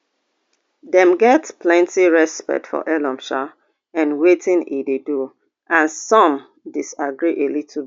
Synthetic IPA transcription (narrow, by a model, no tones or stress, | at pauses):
dɛ̃mɡɛtplɛ̃ntiɹɛspɛ̰k̚tfɔ̰ʔɛlɔ̃mʃa | ãnwetĩnidedu | ʔãnsɔ̃m | disaɡɹiʔelitʰlb